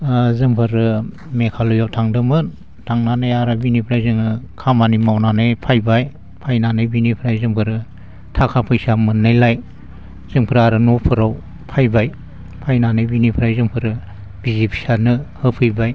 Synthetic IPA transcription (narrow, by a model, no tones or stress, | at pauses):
zɯŋpʰɯɾɯ | mekʰalujawtʰaŋdɯmɯn | tʰaŋnanajaɾabinipʰɾajzɯŋɯkʰamanimawnanajpʰajbaj | pʰajnanɯjbinipʰɾajzɯŋpʰɯɾɯ | tʰakʰapʰɯjsamɯnːɯjlaj | z̥ɯŋpʰɯɾaɾɯnopʰɯɾaw | pʰajbaj | pʰajnanɯjbinipʰɯɾajzɯŋpʰɯɾɯ | bizipʰi̥sanɯhɯpʰɯjbaj